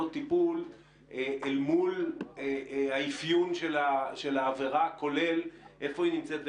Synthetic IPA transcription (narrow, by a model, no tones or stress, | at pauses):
ot̪ipul | eʔelmulehaifjunʃelaʃe̞laːveʁako̞le̞lʔe̞fo̞inimt͡set̪̚b